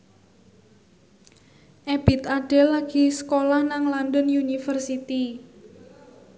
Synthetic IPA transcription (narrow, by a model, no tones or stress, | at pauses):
ʔeb̥i̤t̪aɖ̥elaɡ̥i̤sə̥kolahnaŋlandənjunifərsit̪i